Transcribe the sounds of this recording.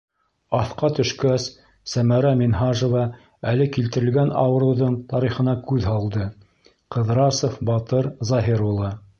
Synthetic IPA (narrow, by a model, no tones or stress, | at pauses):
ɑθqɑt̪ɵ̆ʃkæsː | æmæɾæminɦɑʒŏvɑ | ælɘkilt̪ɘ̆ɾɘ̆lɡænɑ̰wɤ̆ɾɤ̆wðɤɴt̪ɑɾiχɤ̆nɑkʉðɦɑlˠd̪ɤ | qɤ̆ðɾɑsofbɑt̪ɤɾzɑɦiɾulˠɤ